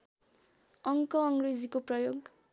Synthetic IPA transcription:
ʌŋkʌʌŋɡred͡zikoprʌjoɡ

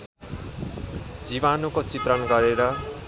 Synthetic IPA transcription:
d͡ziβanukot͡sit̪rʌnɡʌɾeɾʌ

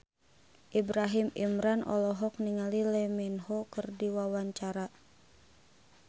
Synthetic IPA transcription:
ʔibɾaɦimimɾanʔɔ̰lɔɦɔk̚niŋalilɛmɛnhɔkɨrdiwawaɲt͡ʃaɾa

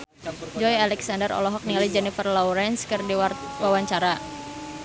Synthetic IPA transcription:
d͡ʒɔjalɛksandəɾɔ̰lɔɦɔk̚nilid͡ʒɛnifərlɔwɾɛnskɨrdiwwawaɲt͡ʃaɾa

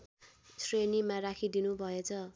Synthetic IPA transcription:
srenimarakʰid̪inubʱʌet͡sʰʌ

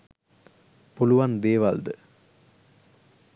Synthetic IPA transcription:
pɔluʋand̪eːʋald̪ɯ

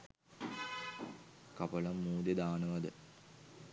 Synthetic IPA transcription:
kɐpɐlɐmːuːd̪ed̪aːnəʋɐd̪ə

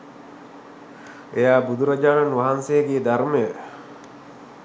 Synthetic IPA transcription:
ejaːbud̪uɾad͡ʒaːnanʋaɦansejəɡeːd̪aɾməjə

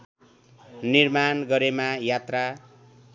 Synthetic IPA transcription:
nirmanɡʌɾemajat̪ra

